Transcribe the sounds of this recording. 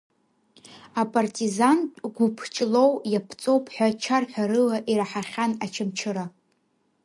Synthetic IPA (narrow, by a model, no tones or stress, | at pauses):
apʼartʼizantʼɡʷupʰt͡ʃʼlo̞wjapʰt͡sʼo̞wpʰʼħʷᶣat͡ʃʰarħʷᶣaɾɨlaʔiɾaħaχʲanat͡ʃʰɨmt͡ʃʰɨɾa